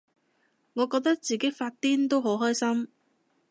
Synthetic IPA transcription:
ŋɔː˨˧kɔː˧k̚t̪ɐ˥k̚t͡siː˨ke˨˥jfaː˧t̚t̪iː˥nt̪o˥wɦo˨˥wɦɔː˥jsɐ˥m

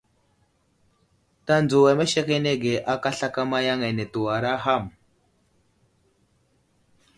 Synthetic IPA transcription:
ta˦nd͡zu˨wa˨me˦ʃe˦ke˦ne˦ɡe˨ʔa˦ka˦ɬa˦ka˦ma˦ja˦ŋe˨ne˨tu˨wa˨ɾa˦ɦa˦˨m

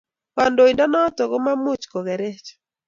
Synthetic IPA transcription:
wa˨ndo˨i˨ndɔ˦nɔ˦tɔ˨ɡo˦ma˦mʊ˦t͡ʃkɔ˨ɡɛ˨ɾe˦t͡ʃ

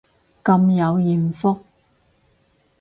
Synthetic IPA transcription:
kɐ˧mjɐ˨˧wjiː˨nfʊ˥k̚

